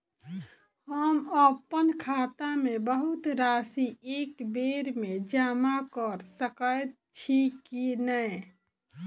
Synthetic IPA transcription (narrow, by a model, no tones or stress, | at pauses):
həməpənkʰaːt̪amebəɦʊt̪ɾaːsieːkbeɾmed͡ʒaːmakəɾsəkəjt̪ | t͡ʃʰikinəj